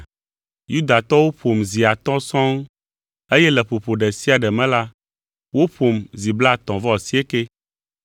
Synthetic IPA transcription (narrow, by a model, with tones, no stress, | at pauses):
ju˦d̪a˨t̪ɔ˦wo˦ɸo˨mzi˨a˨t̪ɔ̃˦sɔ̃˦ŋ | e˦jɛ˦lɛ˨ɸo˨ɸo˨ɖɛ˨si˦a˨ɖɛ˨mɛ̃˦la˦ | wo˦ɸo˨mzi˨bla˦˨t̪ɔ̃˨vɔ˦˨si˦e˦ke˦